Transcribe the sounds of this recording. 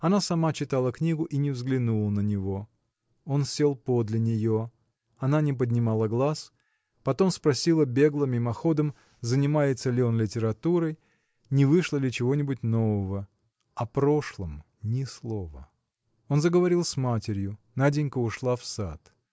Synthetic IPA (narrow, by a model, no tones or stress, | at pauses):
ɐnasɐmat͡ɕɪt̪alˠəknʲiɡʊʔinʲɪvzɡlʲɪnulˠənənʲɪvo̞ | o̞nsʲelˠpo̞d̪lʲɪnʲɪjo̞ | ɐnanʲɪp̬əd̪ʲnʲɪmalˠəɡlˠas | pɐt̪o̞mspɾɐsʲilˠəbʲe̞ɡlˠəmʲimɐxo̞d̪əm | zənʲɪmajɪt̪səlʲɪo̞nlʲɪtʲɪɾɐt̪uɾəj | nʲɪvɨʂlˠəlʲɪt͡ɕɪvo̞nʲɪbʊtʲno̞vəvə | ɐpɾo̞ʂlˠəm | nʲɪslˠo̞və̰ | o̞nzəɡəvɐɾʲilˠsʲmatʲɪɾʲjʊnadʲɪnʲkəʊʂlˠafsa̰t̪